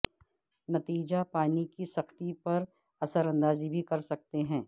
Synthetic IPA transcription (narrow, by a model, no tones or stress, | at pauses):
nɐt̪iːd͡ʒapaːnikisɐxt̪ipɐɾ | ɐsəɾɐ̃nd̪aːzibʱikɐɾsɐk̚t̪eɦɛ̃ː